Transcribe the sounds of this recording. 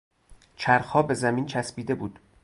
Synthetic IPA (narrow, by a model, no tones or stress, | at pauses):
t͡ʃʰæɾxhɒːbe̞zæmiːnt͡ʃʰæsbiːd̪e̞buːd̪̥